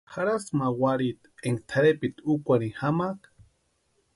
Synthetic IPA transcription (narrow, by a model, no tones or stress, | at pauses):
xaɾasmawaɾit̪eŋ̚t̪ʰaɾepit̪ukʷanihamak